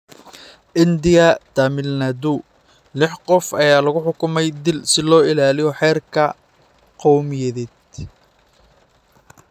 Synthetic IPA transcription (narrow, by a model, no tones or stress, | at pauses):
ʔɪnd̪ɪjɐd̪̥amɪlnad̪u | lɪħqɔfɐjaːlɐɣʊħʊkʊmɛjd̪ɪlsɪlɔːɪlaːlɪjɔħɛːrkʰɐ | qɑwmjɛðɛːd̪